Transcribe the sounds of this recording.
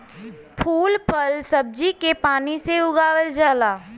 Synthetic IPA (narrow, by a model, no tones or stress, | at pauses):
pʰuːlpʰəlsɐb̚d͡ʒikepaːniseʊɡaːwəld͡ʒaːlaː